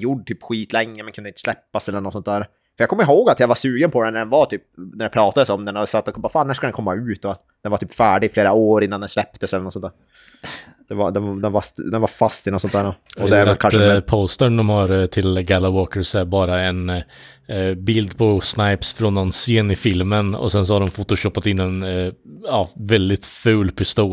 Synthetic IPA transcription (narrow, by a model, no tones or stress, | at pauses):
jʊɖt̪ʰyːpɧiːt̪lɛŋːəmɛnkʰɵnɪnt̪əslɛpːasɛlːəɾɳɔt̪sɔnt̪̚d̪æːɾ | fœɾjaɡkɔmːəəɦoːɡat̪jaɡvasʉːɡənpʰɔd̪ɛnæɖ̪ɛnvat̪ʰyːp̚næɖɛpʰɾɑːt̪ad̪əsɔmd̪ɛnhad̪sat̪ːɔkʰvafaːnːæʂkad̪ɛnkʰɔmːaʉ̟ːt̪ɔat̪ | d̪̥ɛnvaɾt̪ʰyːpfæːɖɪɡfleːɾaoːɾɪnːand̪ɛnslɛpt̪əsɛlːəɳɔt̪sɔnæːɾ | d̪̥ɛvad̪ɛnd̪ɛnvasd̪ɛnvaɾfast̪ɪnɔt̪sɔnt̪d̪æːɳuɔɛæɾakʰapʰoːst̪əɳɖ̪ɔmhaɾt̪ʰɪlɡælawoːkəɾsæɾbɑːɾaɛn | bɪld̪pʰɔsnajpsfɾɔnːɔnseːnɪfɪlmənɔ̰sɛns̬ɔhaɖ̪ɔmfʊt̪ːʊɕɔpːat̪ɪnːɛn | ɑːvɛld̪ɪt̪fʉ̟ːlpʰɪst̪uː